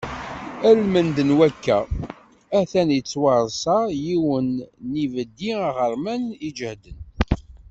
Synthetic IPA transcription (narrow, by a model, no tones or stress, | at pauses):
ælmənd̪ənwækːæ | æθænjət͡sːwɑɾˤsɑjiwənːivəd̪ːiʁəɾˤmænid͡ʒəhd̪ən